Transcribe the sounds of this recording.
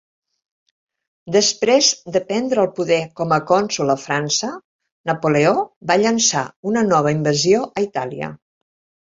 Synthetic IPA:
d̪əspɾezd̪əpɛnd̪ɾəːlˠpuðɛkɔməkɔnsuləfɾansə | nəpoleobaʎənsaunənɔβ̞əimbəzioʔəit̪aliə̰

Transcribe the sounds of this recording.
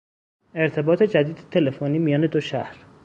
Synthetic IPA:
eɾt̪ʰe̞bɒːt̪ʰe̞d͡ʒæd̪iːd̪et̪ʰe̞le̞foniːmijɒːne̞d̪oʃæhɾ

